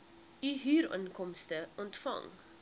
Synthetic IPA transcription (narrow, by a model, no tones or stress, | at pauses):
yɦyːɾə̰nkɔmstəɔntfɐ̰ŋ